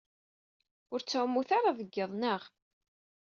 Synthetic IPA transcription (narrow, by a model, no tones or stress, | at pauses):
ʊɾt͡sːaʕmːuθaɾˤaðəɡːəðˤnəʁ